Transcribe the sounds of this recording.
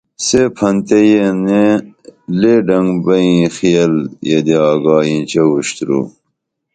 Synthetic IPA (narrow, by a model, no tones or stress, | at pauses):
sepʰɐnt̪ejene | leɖɐŋɡbɐĩxijɐljed̪eaːɡaːjĩt͡ɕewuɕt̪ɾṵ